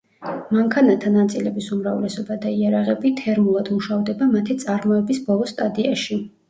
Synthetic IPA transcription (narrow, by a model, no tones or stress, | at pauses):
maŋkʰanat̪ʰanat̪sʼilɛbisumɾavlɛsɔbad̪aiaɾaʁɛbit̪ʰɛɾmulˠad̪muʃavd̪ɛbamat̪ʰit̪sʼaɾmɔɛbisbɔlˠɔst̪ʼad̪iaʃi